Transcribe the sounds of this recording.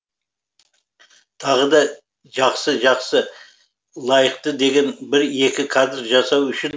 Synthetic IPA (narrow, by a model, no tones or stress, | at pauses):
t̪ʰɑʁəd̪ɑ | ʒɑqsəʒɑqsə | lˠɑjəqt̪əd̪e̞ɡʲe̞nbɪɾe̞kʲɪkʰad̪ɾʒɑsɑwʏʃɪn